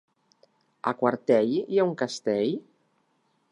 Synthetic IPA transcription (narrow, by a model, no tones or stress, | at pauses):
a̰kwaɾt̪ɛʎjauŋkast̪ɛʎ